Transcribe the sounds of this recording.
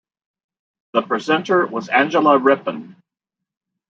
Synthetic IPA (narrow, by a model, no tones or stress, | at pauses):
ðəpʰɹ̥ɨzɛ̃ntə˞wʌzæ̃nd͡ʒəl̩ˠəɹɪpə̃n